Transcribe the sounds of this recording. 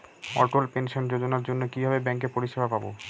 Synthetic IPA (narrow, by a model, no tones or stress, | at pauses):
ɔ̰ʈolpenʃond͡ʑod͡ʑonaɾd͡ʑonːokibʱabebɛŋk̬epoɾiʃebʱapabo̰